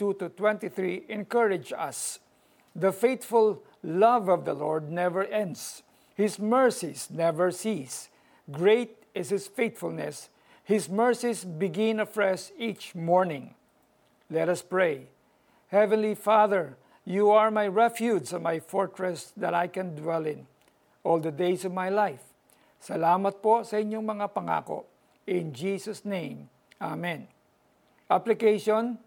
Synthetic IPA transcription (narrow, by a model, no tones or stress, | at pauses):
t̪ut̪ut̪wɛ̃nt̪iθɹiʔɛ̃nkʌɹɪd͡ʒʌ̰s | ðəfeɪt̪fʊl | lʌvɔvd̪əlɔɹd̪̚nɛvəɹʔɛ̃nd̪s | hɪsmɛɹsisnɛvəɹsis | ɡɹeɪt̪̚ɪshɪsfeɪt̪fʊlnɛs | hɪsmɛɹsisbɪɡɪ̃nəfɹɛsit͡ʃmɔɹnɪ̃ŋ | lɛt̪ɐspɹej | hɛvɛ̃nlifaðɛɹ | juaɹmajɹɛfjudsmajfɔɹt̪ɹɛsd̪ɐt̪a̰jkɛ̃nd̪wɛlɪ̃n | ʔɔld̪ɐd̪ejsɔvmajlajf | sɐlaːmɐt̪̚posɐʔɪɲːoŋmɐŋapɐŋa̰ːko̰ | ɪ̃nd͡ʒiːsɐsnẽm | ʔamɛ̃n | ʔaplɪkejʃɔn